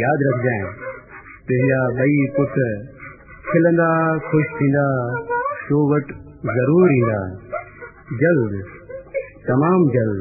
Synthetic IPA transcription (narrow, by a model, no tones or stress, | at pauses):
jaːd̪ɾɐkʰd͡ʒãː | t̪ʊ̃ɦɪ̃ɲd͡ʒaːɓɐikʊt̪ | kʰɪlə̃nd̪aːkʰʊʃt̪ʰĩːn̆d̪aːsoːʋɐʈ | zɐɾuːɾɦĩːnd̪a̰ː | d͡ʒɐld̪ | t̪ɐmaːmd͡ʒɐld̪